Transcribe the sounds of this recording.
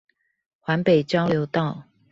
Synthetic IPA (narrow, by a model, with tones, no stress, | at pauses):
xwa˧˥npe˨˩ɪt͡ɕjɑ˥ʊljo˧˥ʊt̪ɑ˥˨ʊ